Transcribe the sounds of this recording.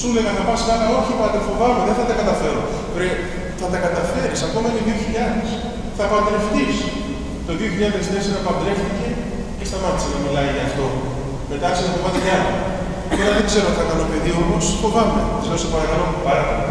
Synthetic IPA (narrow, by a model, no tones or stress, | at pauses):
suleɣɐnɐpɐskɐfɐo̞çipɐt̪efo̞vɐmeðeθɐt̪ɐkɐt̪ɐfe̞ɾo | ɾe | θɐt̪ɐkɐt̪ɐfe̞ɾisɐko̞mɐenoðioçiʎɐðes | θɐpɐnd̪ɾe̞ft̪is | t̪o̞ðio̞çiʎɐðesneseɾɐpɐnd̪ɾe̞ft̪ice̞ | cest̪ɐmɐt̪i̥seðɐmilɐiʝɐːft̪o̞ | me̞t̪ɐksiðɐfovɐt̪ecɐlɐ | melɐðeɡze̞ɾot̪θɐkɐnopeðio̞posfo̞vɐmeezlest̪opɐɾɐkɐlo̞pupɐɾt̪e